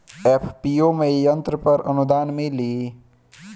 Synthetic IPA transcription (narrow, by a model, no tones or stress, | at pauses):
epʰpiomejənt̪ɾəpəɾənud̪aːnmili